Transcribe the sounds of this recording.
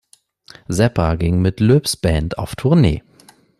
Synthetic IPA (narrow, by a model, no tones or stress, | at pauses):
zɛpʰaɡɪŋmɪtløːpsb̥ɛːntʰa̰ʊftʰʊɐnḛː